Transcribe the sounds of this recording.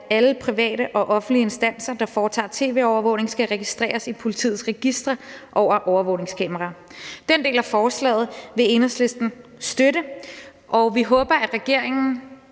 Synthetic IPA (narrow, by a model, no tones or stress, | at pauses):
æləpʰʁiʋɛ̰ːɾəʔɒ̽ʔɒ̽fn̩l̥iəe̝nsd̥æn̰sɐd̥ɑ̈fɒːt͡sʰɑ̰̈ːt͡sʰe̝̰ːʋe̝̰ːɒʊɐʋɔ̽ʊne̝ŋsɡ̥æʁɛɡ̥isd̥ʁɛ̰ːɐsipʰo̝lit͡sʰḭːð̩ˠsʁɛɡ̥isd̥ʁɐʔɒʊ̰ɐʔɒʊɐʋɔʊne̝ŋskʰɛmɐʁɑ̈d̥ende̝̰ːlæfɒːslɛ̰ːð̞̩ˠʋe̝e̝nɐsle̝sd̥n̩sd̥øɾə | ʔɒʊʋiɦɔ̽ːb̥ɐæd̥ʁɛɡ̥e̝ɐ̰e̝ŋn̩